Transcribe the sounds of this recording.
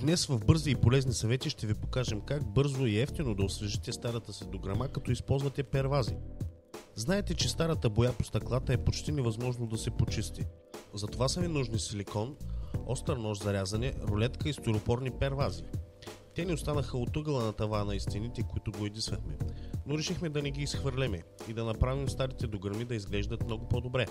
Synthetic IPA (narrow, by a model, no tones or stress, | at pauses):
d̪nɛsvɐvbɤɾziːpolɛznisɐvɛt̪iʃt̪ɛvipokaʒɛmkaɡ̚bɤɾzoiɛft̪inod̪ɐosvɛʒit̪ɛst̪aɾɐt̪əsid̪oɡɾɐmakɐt̪ɔispɔlˠzvɐt̪ɛpɛɾvazi | znaɛt̪ɛt͡ʃɛst̪aɾɐt̪əbojapost̪ɐklˠat̪əɛpot͡ʃt̪inɛvɐzmɔʒnod̪ɐsɛpot͡ʃist̪i | zɐt̪ovasɐvinuʒnisilikɔnɔst̪əɾnɔʃzɐɾʲazɐnɛɾolɛt̪kəist̪oɾopɔɾnipɛɾvazit̪ɛnɛost̪anəxəot̪ɤɡlˠənɐt̪ɐvanɐist̪init̪ɛkoit̪ʊɡoɛd̪isvɐxmɛnoɾɛʃixmɛd̪ɐnɛɡiːsxvəɾlɛmɛid̪ɐnɐpɾavimst̪aɾit̪ɛd̪oɡəɾmid̪ɐizɡlɛʒd̪ɐt̪mnɔɡʊpɔd̪obɾɛ